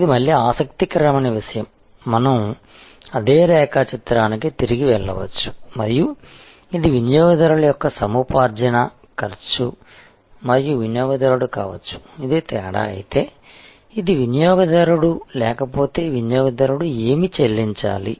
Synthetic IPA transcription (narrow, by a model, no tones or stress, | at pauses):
id̪imɐlːjiaːsɐk̚t̪ikɐɾɐmɐnɐʋiʂɐjɐmː | ɐnɐm | ɐd̪eːɾɛːkaːt͡ʃit̪ɾaːnikit̪iɾiɡiʋɛɭːɐ̰ʋɐ̰t͡ʃːu̥mɐɾiju | id̪iʋinjɔːɡɐd̪ɐɾuɭɐjɔkːɐsɐmuːpaːɾd͡ʒɐnɐ | kɐɾt͡ʃu | mɐɾijuʋinjɔːɡɐd̪ɐɾuɽukaːʋɐt͡ʃːu̥ | id̪it̪ɛːɽa̰ɐ̰jit̪eː | id̪iʋinjɔːɡɐd̪ɐɾuɽulɛːkɐpo̞ːt̪e̞ːʋinjɔːɡɐd̪ɐɾuɽueːmit͡ʃelːiɲt͡ʃa̰ːlḭ